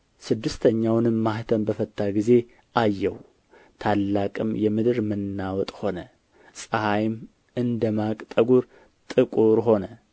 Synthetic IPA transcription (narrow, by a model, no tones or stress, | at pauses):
sɨd̪ːɨst̪ʰəɲːawnɨmːaht̪ʰənbəfət̪ʰʼːaɡize̞ | ʔajːɛw | t̪ʰalːakʼɨmjɛmɨd̪ɨɾmɨnːawɔt̪ʼho̞nə | sʼəhajm | ɨnd̪əmakʼt̪ʼəɡuɾ | t̪ʼɨkʼuɾɦo̞nə